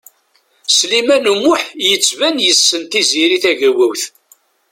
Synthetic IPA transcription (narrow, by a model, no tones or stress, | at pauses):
slimænəmːʊħjət͡sːvænjəsːənt̪iziɾiθæʝəɾwæwθ